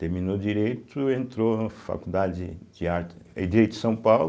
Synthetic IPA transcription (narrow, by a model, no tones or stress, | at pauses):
t̪eɾmĩnod͡ʒiɾejt̪ʊẽnt̪ɾonɐfa̰kud̪ad͡ʒɪd͡ʒɪaɾed͡ʒiɾejt̪ʊ̥sɐ̃w̃pawl